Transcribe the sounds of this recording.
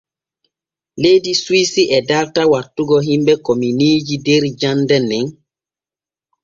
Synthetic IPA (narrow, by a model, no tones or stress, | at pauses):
lejdiswisiʔɛdaɾtawatːuɡɔɦimbɛkɔminiːd͡ʒideɾd͡ʒandɛnɛŋ